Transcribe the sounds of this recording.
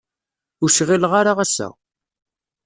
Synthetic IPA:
ʊɾʃʁilʁaɾaʁæsːæ̰

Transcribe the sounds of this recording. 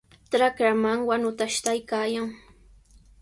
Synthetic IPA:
t̪ɾakɾamaŋwanʊt̪aʃt̪ajkaːjaŋ

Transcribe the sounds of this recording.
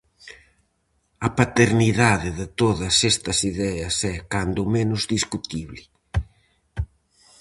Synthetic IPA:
ɐpat̪eɾniðaðɪðɪt̪oðɐsest̪ɐsiðɛɐsɛkand̪ʊmenʊzðiskut̪iβlɪ

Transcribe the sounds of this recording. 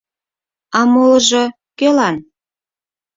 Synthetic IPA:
ɑmolʒɤ | kelɑn

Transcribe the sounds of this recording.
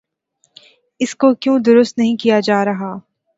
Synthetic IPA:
ɪskokjũːd̪ʊɾʊst̪nɐɦĩkijad͡ʒaːɾɐɦaː

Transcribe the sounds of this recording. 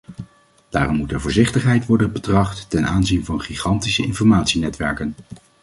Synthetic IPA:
d̥aːrɔmːutɛɹvʊːɹzɪχtəχɦɛjtʋɔɹdənbətrɑχtːɛnʔaːnzinvɑnχiχɑntisəɪnfɔɹmaːtsinɛtʋɛ̰ɹkən

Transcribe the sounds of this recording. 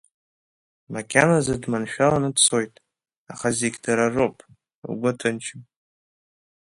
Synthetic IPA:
makʲʰʼanazadmanʃᶣalanɨdt͡sʰo̞jtʼ | aχazeɡʲdaɾaropʼ | ɡʷʊtʰɨnt͡ʃʰɪm

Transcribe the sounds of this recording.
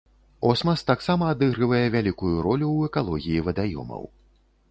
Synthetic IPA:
ɔsmɐst̪aksamɐːd̪ɨɣɾɨvɐjɛvʲalʲikujuɾɔlʲuwɛkalˠɔɣʲijivɐd̪ajɔ̰mɐ̰w

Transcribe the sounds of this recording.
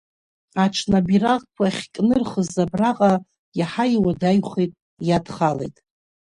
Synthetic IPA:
aʈ͡ʂʰnabirakʷʰaχʲkʼnɨrχəzabraqʼa | jaħaiwadajχejtʼ | jadχalejtʼ

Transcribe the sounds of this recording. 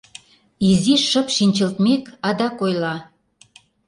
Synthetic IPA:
iziʃʃəpʃinʲt͡ɕə̆lt̪mekɑd̪ɑkojlɑ

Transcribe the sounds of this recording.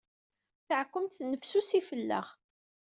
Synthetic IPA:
θəʕkːəmt̪nːəfsusifəlːə̰ʁ

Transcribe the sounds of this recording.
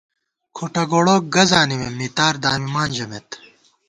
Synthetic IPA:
kʰoʈɐɡoːɽoːk̚ɡɐzaːnimemit̪aːɾd̪aːmimaːnd͡ʑɐmet̪

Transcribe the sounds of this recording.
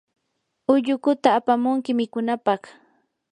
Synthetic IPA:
ʊʎʊkʊt̪aːpamʊŋkɪmɪkʊnapɑχ

